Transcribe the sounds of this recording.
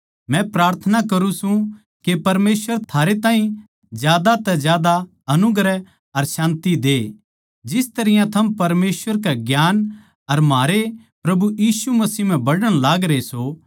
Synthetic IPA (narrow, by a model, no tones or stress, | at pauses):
mɛ̃pɾaːɾt̪ʰənakɐɾũsũ | kepɐɾmeːsʋəɾt̪ʰaːɾet̪ãːɦĩ | d͡ʒjaːd̪at̪ɛd͡ʒjaːd̪a | ɐnʊɡɾɛ | ɐɾsãːnt̪id̪eː | d͡ʒɪst̪ɐɾɪjãt̪ʰɐmpɐɾmeːsʋəɾkeɡjaːn | ɐɾmɦaːɾe | pɾɐbujiːsumɐsiːm̤ɛ̃bɐɽəɽ̃laːɡɾeso